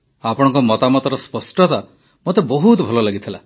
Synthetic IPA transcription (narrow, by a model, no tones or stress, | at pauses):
apɔɽ̃ɔ̃ŋkɔmɔt̪amɔt̪ɔɾɔspɔsʈɔt̪a | mot̪ebɔɦut̪ɔbʱɔlɔlaɡit̪ʰila